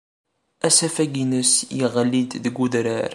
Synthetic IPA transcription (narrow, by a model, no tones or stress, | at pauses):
æsæfæɡinəsjiʁəlːid̪ðəɡud̪ɾəɾ